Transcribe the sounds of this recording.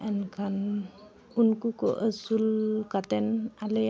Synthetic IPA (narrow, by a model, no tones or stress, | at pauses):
ʔankʰan | unkukɔ̰ʔəsulkat̪ɛnale